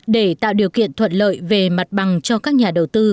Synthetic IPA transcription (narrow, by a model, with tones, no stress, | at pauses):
ɗe˧˩t̪a̰ː˧˨wɗi˨˩əwkḭ˧˨ənt̪ʰwə̰˧˨nlə̰ː˧˨jve˨˩ma˨˩t̚ɓa˨˩ŋt͡ɕɔ˧kaː˦˥k̚ɲaː˨˩ɗə˨˩wt̪ɨ˧